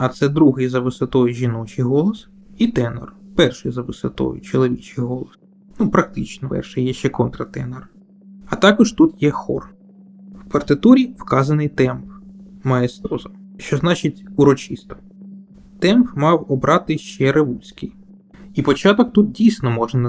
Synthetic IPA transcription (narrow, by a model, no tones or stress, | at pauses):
ɐt̪sɛd̪ɾuɦɪjzɐʋɪsɔt̪ɔjʊʒʲinɔt͡ʃɪjɦɔlˠɔs | it̪ɛnɔ̰rpɛrʃɪjzɐʋɪsɔ̰t̪ɔ̰jʊ̰t͡ʃɔlˠɔʋʲit͡ʃɪjɦɔlˠɔs | nupɾɐk̚t̪ɪt͡ʃnɔpɛ̰rʃɪjjɛʃt͡ʃɛkɔnt̪ɾɐt̪ɛnɔr | ɐt̪ɑkɔʒt̪ut̪jɛxɔ̰r | wpɐrt̪ɪt̪uɾʲiwkɑzɐnɪjt̪ɛmpmɐɛst̪ɔzɐʃt͡ʃɔznɑt͡ʃɪtʲuɾɔt͡ʃist̪ɔ̥ | t̪ɛmpmɑwɔbɾʔɑt̪ɪʃt͡ʃɛɾɪʋusʲkɪ̰j | ipɔt͡ʃɑt̪ɔk̚t̪ut̪̚dʲijsʲnɔmɔʒnɐn